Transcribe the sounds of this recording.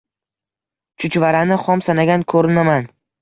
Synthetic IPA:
t͡ʃʰʊt͡ʃvaɾanɪχɒmsanaɡʲankʰɵɾɪnaman

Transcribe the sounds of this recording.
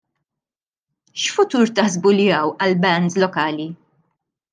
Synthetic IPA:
ʃfʊt̪uːɾt̪ɐħzbulɪɐwɐlbɛnd̪lɔkɐːli

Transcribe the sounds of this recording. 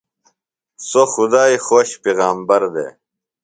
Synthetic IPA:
soxud̪aːixoːɕpeːɣaːmbɐɾd̪ḛː

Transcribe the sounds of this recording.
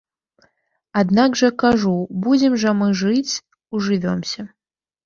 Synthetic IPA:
ad̪naɡʐɐkaʐubud͡zʲɪmʐɐmɨʐɨt͡sʲ | uʐɨvʲɔmsʲɐ

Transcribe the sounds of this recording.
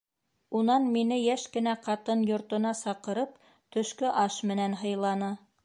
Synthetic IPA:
unɑnminɘjæʃkɘ̆næqɑt̪ɤnjŏɾt̪ŏnɑsɑqɤ̆ɾɤp̚ | t̪ɵ̆ʃkɵʔɑʃmɘ̆nænɦɤ̆jlˠɑnɤ

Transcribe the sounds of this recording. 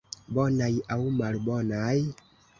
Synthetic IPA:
bɔnajawmalbɔnaj

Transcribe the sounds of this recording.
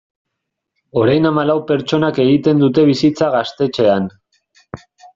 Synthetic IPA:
o̞ɾajnamalawpe̞ɾt͡ʃo̞nake̞ɣit̪e̞nd̪ut̪e̞β̞isit͡saɣast̪e̞t͡ʃe̞an

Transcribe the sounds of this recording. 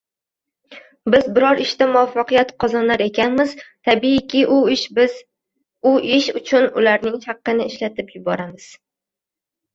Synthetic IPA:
bɪzbɪɾɒɾɪʃt̪amʊafːɑqijat̪qʰɒzɒnaɾe̞kʲʰanmɪzt̪ʰabiɪkʲʰɪʔʊʃ | ʊʔɪʃʊt͡ʃʰʊnʊlaɾnɪŋhɑqːɨnɪɪʃlat̪ɪpjʊbɒɾamɪz̥

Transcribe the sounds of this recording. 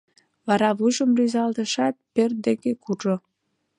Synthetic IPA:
βɑɾɑβujʒəmryzɑld̪əʃɑt̪̚pørt̪̚d̪ekekuʒo

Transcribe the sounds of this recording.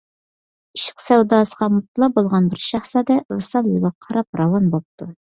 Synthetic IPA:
iʃɪ̥qsæwd̪ɑːsəʁɑmut̪lˠɑbolˠʁɑnbɪɾʃæχsɑd̪ɛvɨsɑlˠjulˠɑqʰɑɾɑp̚ɾɑwɑnbop̚t̪u

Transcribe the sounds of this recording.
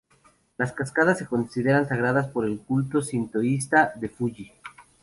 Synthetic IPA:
laskaskaðasːe̞ko̞nsiðe̞ɾansaɣɾaðaspo̞ɾe̞lkult̪o̞sint̪ois̬t̪aðe̞fuʝi

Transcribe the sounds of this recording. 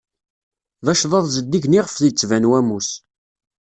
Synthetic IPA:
ðæʃðˤɑðˤzəd̪ːiʝniʁəfðit͡sːvænwæmus

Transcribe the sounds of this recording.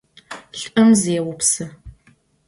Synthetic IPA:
ɬɐmzeɛwʊpsɐ

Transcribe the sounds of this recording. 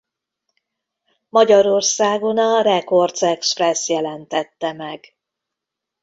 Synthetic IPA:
mɒɟɒɾo̞rsaːɡo̞nɒrɛko̞rd̪sɛksprɛsjɛlɛnt̪ɛt̪ːɛmɛɡ̥

